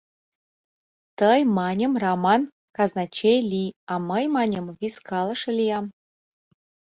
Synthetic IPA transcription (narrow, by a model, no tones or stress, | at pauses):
t̪əjmɑnʲə̆mrɑmɑn | kɑznɑt͡ɕejlʲiɑmɤjmɑnʲəmvʲiskɑlˠɤ̆ʃɤ̆lʲijɑm